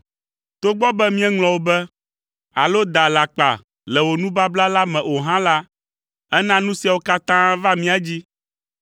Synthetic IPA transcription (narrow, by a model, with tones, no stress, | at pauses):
t̪o˦ɡ͡bɔ˦bɛ˦mĩ˦ɛ˦ŋlɔ̃˨wo˦bɛ˦ | a˨lo˦d̪a˨la˨k͡pa̰˨ | lɛ˨wo˨nũ˦ba˦bla˦la˦mɛ̃˨ʔo˨ɦã˦la˦ | ɛ˦nã˦nũ˦si˦a˨wo˦ka˦t̪ã˦va˦mĩ˦a˦d͡ʑi˦